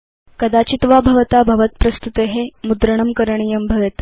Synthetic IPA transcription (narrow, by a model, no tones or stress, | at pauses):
kəd̪at͡ɕit̪ʋabʱɐʋət̪abʱɐʋət̪̚pɾɐst̪ut̪eɦemud̪ɾəɳ̃əmkəɾɳ̃ijəmbʱəʋet̪